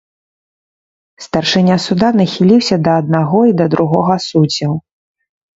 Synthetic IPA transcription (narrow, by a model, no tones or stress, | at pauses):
st̪ɐrʂɨnʲasud̪anɐxʲilʲiwsʲɐd̪ɐːd̪̚naɣɔid̪ɐd̪ɾʔuɣɔɣɐsud͡zʲɐw